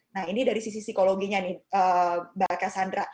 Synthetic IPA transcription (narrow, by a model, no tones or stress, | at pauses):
nahinidaɾisis̬isikoloɡiɲanihəbakasandɾa